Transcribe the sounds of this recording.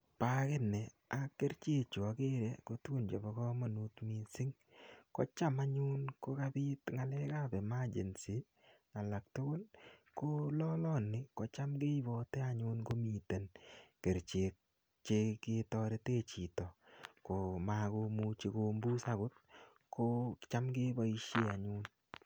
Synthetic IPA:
pa˦ke˦nːɛ˨ | a˨ke˦ɾt͡ʃe˦t͡ʃo˨a˨ke˦ɾe˦ko˦tu˦ku˦˨nd͡ʒo˨bɔ˨˦kɔ˦mo˨nu˦tmɪ˨sɪ˦ŋ | kɔ̰˦t͡ʃa˦ma˦ɲʊ˦nko˦ka˦bɪ˦tŋa˨lɛ˦ka˦˨bɛ˨ma˦d͡ʒḛ˨nsi˨˦ | a˨la˨k̚tʊ˦kʊ˦nko˦lɔ˦lɔ˦˨nːɪ˨ko˨t͡ʃa˦mɡe˦i˦bɔ˨tɛ˦a˨ɲʊ˦nko˦mi˨te˨nke˨ɾt͡ʃe˨k̚ | t͡ʃe˦kɪ˦tɔ˦ɾe˦te˦t͡ʃi˨tɔ˨ko˨ma˨ko˧mu˦t͡ʃe˨ko˨mbu˦sa˦ɡʊ˦t̚ | kʰo˦t͡ʃa˦mɡɪ˦ba˦i˦ʃe˦a˨ɲu˦n

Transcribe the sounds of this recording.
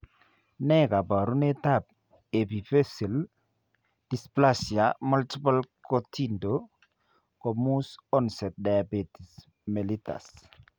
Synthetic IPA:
nɛ˦ka˨ba˨ɾu˦ne˦ta˦˨b̚ | e˨bi˨fe˦si˨l | d̥i˨spla˦sja˨mu˦lti˦pa˦lko˨ti˦ndo˨ | ko˨mu˦sɔ˦nsɛ˨t̚da˨ja˨be˨ti˨s | me˨li˦ta̰˨s

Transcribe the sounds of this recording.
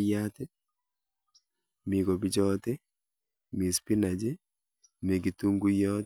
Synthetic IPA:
jat̪ɪ˦ | mɪ˨ɡo˨bi˦d͡ʒɔ˦t̪ɪ˦ | mi˨spi˦na˨d͡ʒe˦ | me˨ɡi˨tu˦ŋɡu˦jɔ˦t

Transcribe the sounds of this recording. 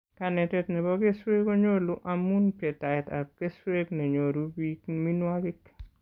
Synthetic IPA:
ka˨nɛ˨tɛ˦tnɛ˨bɔ˦ke˦swe˦ko˦ɲo˦lu˦ʔa˨mu˦npje˨ta˨ɪ˨ta̰˨ke˦swe˦kne˨ɲo˨ɾu˦bi˦kmi˦nwa˦kɪ˦k

